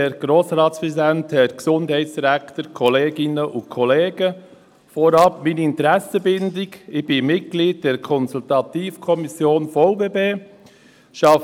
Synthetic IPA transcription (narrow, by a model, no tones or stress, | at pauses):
ɛɾɡ̥ɾoːsɾɑːtspɾɛsidænthɛɾksʊndhɛɪtt͡ssd̥iɾæktəɾkʰɔleːɡɪnəʔʊnkʰɔleːɡ̥ə | foɾɑpminiɪntəɾɛsəbɪndɪɡɪçb̥ɪmɪt̚ɡ̥liːd̚d̥ɛːɾkʰɔnsultɑtiːfkʰɔmisjoːnfoʊbeːbeː | ʃɑ